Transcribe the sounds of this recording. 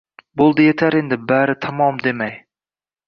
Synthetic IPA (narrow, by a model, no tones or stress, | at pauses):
bolˠd̪ɪjet̪ʰaɾe̞nd̪ɪbaɾɪt̪ʰamɒmd̪e̞maj